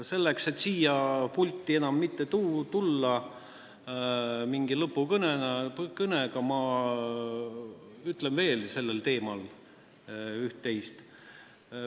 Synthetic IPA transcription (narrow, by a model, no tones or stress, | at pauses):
se̞lːekse̞t̪ːsiːjɑpulʲt̪ˑːie̞nɑmːit̪ːet̪uːt̪ulːɑ | miŋɡ̥ilɤpːˑukɤnenɑkɤneɡ̥ɑmɑ | yt̪lemve̞ːlse̞lːelt̪e̞ːmɑl | yht̪ːe̞jst̪